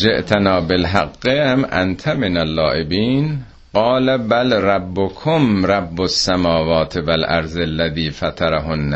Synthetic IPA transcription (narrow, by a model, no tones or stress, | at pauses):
d͡ʒeʔt̪ʰanɑːbelɦaɡːemʔa̰nt̪ʰamenælːɑːʔebiːn | ɢɑːlæbælrabːokʰomɾabːosːæmɒːvɒːt̪ʰevælʔæ̰ɾzelːæðiːfat̪ʰaɾaɦonːæ